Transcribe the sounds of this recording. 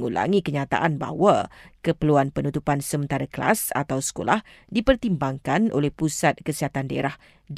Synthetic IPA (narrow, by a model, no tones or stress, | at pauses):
ŋṵla̰ŋĩkəɲãt̪a̰ʔanba̰hwakəpəluanpənut̪upansəmə̃nt̪aɾakla̰sa̰t̪awsə̥ko̰lʔah | dipərt̪imbaŋkanʔo̰lɛhpusat̪̚kəsiɦat̪andaḛɾah | d